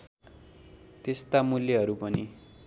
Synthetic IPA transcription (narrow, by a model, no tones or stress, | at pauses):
t̪est̪amuljʌɦʌɾupʌni